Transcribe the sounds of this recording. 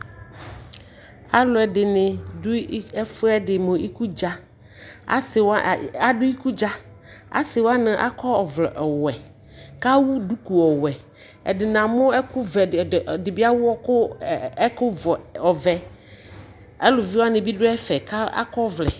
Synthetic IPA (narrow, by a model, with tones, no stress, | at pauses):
a˦lʊ˨ɛ˨dɪ˨nɪ˨dʊ˦ɛ˦fʊ˦ɛ˦dɪ˨mʊ̃˨ʔi˦ku˦d͡ʒa˦ | a̰˦sɪ˨wa˨dʊ˦i˦ku˦d͡ʒa˦ | a̰˦sɪ˨wa˦nɪ̃˨ʔa̰˦kʰɔ˦ɔ˨vlɛ˨ʔɔ˨wɛ˨ | ka˦wu˦du˦ku˨ɔ˨wɛ˨ | ɛ̰˨dɪ˨nã˨mʊ̃˦ɛ˦kʊ˦vɛ˨dɪ˨bɪ˦a˦wʊ˦ɔ˦kʊ˦ | kʊ˦vɔ˨ɔ˨vɛ˨ | a˦lʊ˨vi˦wa˦nɪ̃˨bi˦dʊ˦ɛ˦fɛ˨ka˦a̰˦kɔ˦vlɛ˨